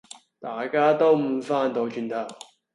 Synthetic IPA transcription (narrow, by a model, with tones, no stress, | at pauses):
t̪aː˨˩jkaː˥t̪o˥wm̩˨˧faː˥nt̪o˨˧wt͡ʃy˧nt̪ʰɐ˨˩w